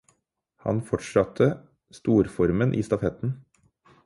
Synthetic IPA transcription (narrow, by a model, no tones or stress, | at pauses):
hɑ̰nfɔʈʂɑt̪ʰə | st̪uːɾfɔɾmənʔḭːst̪ɑfɛt̪n̩